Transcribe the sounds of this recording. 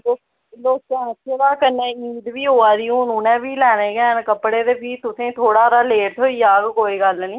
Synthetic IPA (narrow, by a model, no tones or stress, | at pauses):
o | loːkteɦãsed̪aːkənːeːiːd̪ʋiːɦoːaːd̪iːũːnũːnɛ̃ːbiːlɛːnẽːɡɛ̃ːnkəpɽeːd̪eːpʰiːt̪ʊsẽːt̪ʰoːɽaːɾaːleːʈʰoːiːaːɡkoːiːɡəlniː